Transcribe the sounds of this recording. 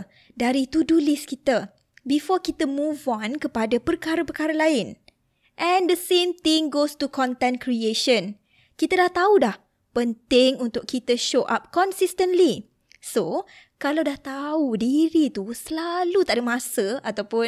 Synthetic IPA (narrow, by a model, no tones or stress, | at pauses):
daɾit̪udulɪskit̪ə | bifɔkit̪əmũvɔ̃nkəpadapərkaɾapəkaɾalaɪn | ʔɛ̃ndəsẽmt̪ɪ̃ŋɡostukɔ̃nt̪ɛ̃nkɾieʃə̃n | kit̪adaht̪audah | pənt̪ɪŋunt̪ʊkʰːit̪əʃoʔa̰p̚kɔ̃nsist̪ə̃nli | so | kalawdaht̪audiɾit̪usəlalut̪aʔdamãsəat̪awpʊ